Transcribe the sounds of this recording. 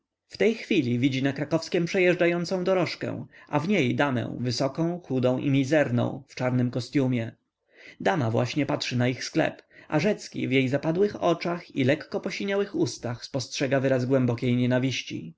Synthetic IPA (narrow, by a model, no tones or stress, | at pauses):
ft̪ɛjxfʲilʲivʲid͡ʑinakɾakɔfskʲɛmpʂɛjɛʐd͡ʐajɔnt̪sɔ̃w̃d̪ɔɾɔʂkɛ̰̃w̃ʔa̰vɲejd̪amɛ̰̃w̃vɘsɔkɔ̃w̃xud̪ɔ̃w̃ʔḭmʲizɛɾnɔ̰̃w̃ft͡ʂaɾnɘmkɔst̪ʲjumʲjɛ | d̪amavwa̰ɕɲɛpatʂɘnaixsklɛ̰pa̰ʐɛt̪skʲḭvjejzapad̪wɘxɔt͡ʂaxilɛkːɔpɔɕiɲawɘxust̪axspɔstʂɛɡavɘɾazɡwɛmbɔkʲejɲɛnavʲiɕt͡ɕḭ